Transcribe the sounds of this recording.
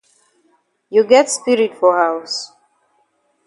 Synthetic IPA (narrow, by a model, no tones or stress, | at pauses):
juɡɛtspiɹitfɔhaʊs